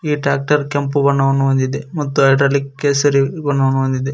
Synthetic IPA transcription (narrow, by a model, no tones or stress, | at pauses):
iːʈɾaːk̚ʈɐɾkɐmpubɐɳːɐʋɐnːuʋɐnd̪id̪emɐt̪ːuɐjʈɐːlikkːesɐɾibɐɳːɐʋɐnːuʋɐnd̪id̪e